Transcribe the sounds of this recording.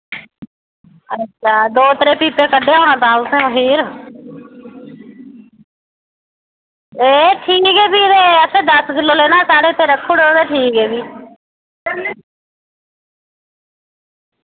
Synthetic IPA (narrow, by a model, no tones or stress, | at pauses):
ətːʃʰaːd̪oːt̪əɾeːpiːpeːkəɖeːɦoːɽ̃ãːt̪ãːʊsẽːɦiːɾ | eːʈʰiːkkeːbiːt̪eːəsʰẽːd̪əskɪlːoːleːnãːsaːɽeːt̪eːɾəkʰːoːɽoːd̪eːʈʰiːkkɛːbiː